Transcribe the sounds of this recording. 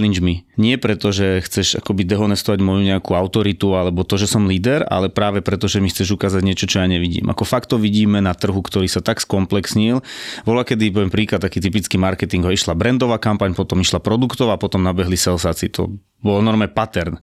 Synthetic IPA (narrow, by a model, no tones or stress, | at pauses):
lind͡ʒmiɲɪɛpɾɛt̪ɔʒɛxt͡sɛʒa̰kɔbid̪ɛɦɔnɛst̪ɔʋaɟmɔjuɲɛakuaʊt̪ɔɾit̪ualɛbɔt̪ɔʒɛsɔmliːd̪ɛɾa̰lɛpɾaːʋɛpɾɛt̪ɔʒɛmixt͡sɛʒukaːzaɟɲɪɛt͡ʃɔt͡ʃɔjaːɲɛʋiɟḭːmʔa̰kɔfakt̪ɔʋiɟiːmɛnat̪r̩ɦukt̪ɔɾiːsat̪akskɔmplɛksɲilbɔlakɛd̪ipɔʋɛmpɾiːklat̪t̪ːakiːt̪̬ip̬it͡skiːmaɾkɛt̪iŋɡɔiʃlabɾɛnd̪ɔʋaːkampaɲpɔt̪ɔmiʃlapɾɔd̪ukt̪ɔʊapɔt̪ɔmnabɛɦlisɛlsaːt͡sḭt̪ɔ̰ | bɔlnɔɾmɛpat̪ɛɾn